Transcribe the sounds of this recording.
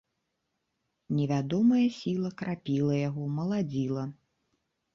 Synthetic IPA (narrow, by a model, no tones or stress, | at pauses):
nʲɛvʲad̪ɔmɐjɐsʲilˠɐkɾapʲilˠɐjaɣɔmɐlˠad͡zʲilˠɐ